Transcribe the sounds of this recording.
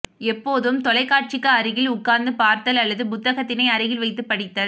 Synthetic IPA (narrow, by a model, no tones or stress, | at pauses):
ɛpːoːðɯmt̪ɔlɐɪkːaːʈ̚t͡ʃɪkːɐːɾɯɣɪlʊkːaːɾnd̪ɯpaːɾt̪ɐlɐlːɐðɯpʊt̪ːɐɣɐt̪ːɪnɐɪɐɾɪɣɪlʋɐɪt̪ːɯpːɐɽɪt̪ːɐl